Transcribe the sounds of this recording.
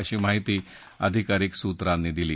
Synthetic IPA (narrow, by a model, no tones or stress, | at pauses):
əɕiːmaɦit̪iː | əd̪ʱikaɾiksut̪ɾanːiːd̪iliː